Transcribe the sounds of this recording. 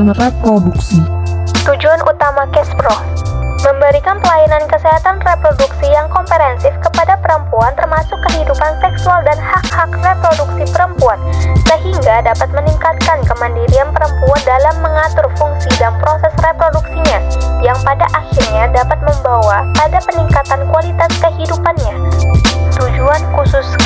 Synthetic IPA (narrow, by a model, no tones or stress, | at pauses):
nrepɾoduksit̪ud͡ʒuanʔut̪amakɛspɾɔ | məmbəɾikanpəlainankəseɦat̪anrepɾoduksijaŋkɔmpəɾɛnsɪfkəpadapəɾəmpuant̪ərmasʊkːəɦidupansɛksualdanhak̚hakrepɾoduksipəɾəmpuansəɦiŋɡadapat̪̚məniŋkat̪̚kankəmandiɾianpəɾəmpuandalamːəŋat̪ʊrfuŋsidanpɾosɛsrepɾoduksiɲajaŋpadaʔaxirɲadapat̪̚məmbawapadapəniŋkat̪ankualit̪askəɦidupanɲa | t̪ud͡ʒuankusʊs